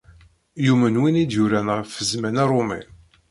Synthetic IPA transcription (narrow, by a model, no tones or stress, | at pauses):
jumənwinid̪juɾænʁəfəzmænæɾˤʊmɛ̰